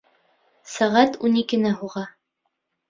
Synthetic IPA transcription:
sæʁæt̪unikɘ̆næɦuʁɑ

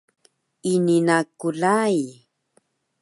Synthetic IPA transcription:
ininakulaj

